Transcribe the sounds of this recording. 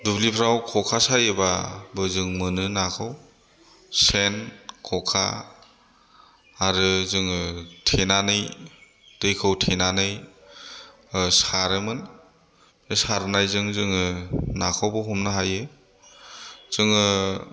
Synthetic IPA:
dublipʰɾawkʰɔkʰasajɯbabɯzɯŋmɯnɯnakʰɯw | senkʰɔkʰa̰ | ɾɯzɯŋɯtʰenanɯj | d̥ɯjkʰɯwtʰenanɯj | saɾɯmɯn | ɯsaɾnajzɯŋzɯŋɯnakʰawbɯɦumnaɦajɯ | z̥ɯŋɯ

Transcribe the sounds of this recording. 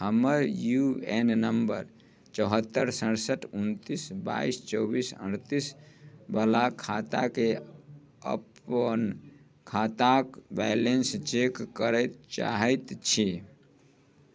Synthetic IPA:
həməɾjuennəmbəɾ | t͡ʃəɦət̪ːəɾsəɽsəʈʰunt̪isba̰ist͡ʃɔbisə̰ɽ̃t̪isbəlakʰːat̪ake | ə̰pən | kʰat̪akbɛjlenst͡ʃekːəɾəjt̪t͡ʃa̰ɦəjt̪t͡ʃʰi

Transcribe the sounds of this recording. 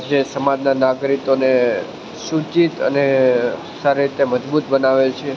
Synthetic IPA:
d͡ʒesəmad͡ʒnanaɡɾikone | sut͡ʃit̪ə̰ne | saɾeɾit̪eməd͡ʒbut̪bənaʋet͡ʃʰe

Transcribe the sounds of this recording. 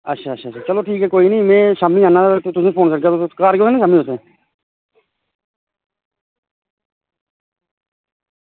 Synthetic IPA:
ətːʃʰaːtːʃʰaːʃʰaːt͡ʃəloːʈʰiːkɦɛːkoːiːnĩːmẽːʃamːiːaːnaːt̪ʊsẽːpʰoːnsəɽk̬əokaːɾkoːeːnẽːʃaːmːĩːoːsẽː

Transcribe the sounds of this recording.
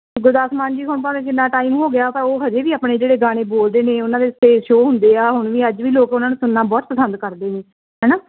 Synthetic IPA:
ɡʊɾd̪aːsmaːnd͡ʒiːɦʊɳpaːʋẽːk̬ɪnːaːʈaːiːm̃ːɦoːɡɪjaːpəɾoːɦəd͡ʒeːʋiːaːpneːd͡ʒeːɽeːɡaːɽ̃eːboːld̪eːneːʊnãːd̪eːst̪eːʃoːɦʊnd̪eːaːɦʊɳ̃ʋiːəd͡ʒʋiːloːkʊnãːnũːsʊnːaːbɔːt̪̚pəsənd̪kəɾd̪eːneː | ɦɛːnaː

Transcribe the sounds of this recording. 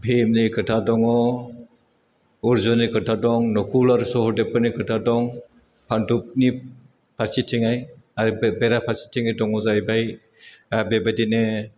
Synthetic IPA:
bʰʱemnikʰɯtʰadɔŋɔ | uɾzɔnikɯtʰadɔŋnɔkʰulaɾsɔhɔdepːɯnikʰɯtʰadɔŋ | pʰandup̚ni | pʰaɾsitʰiŋaj | aɾbeɾapʰaɾsi̥tʰiŋajdɔŋɔzajbaj | abebadine

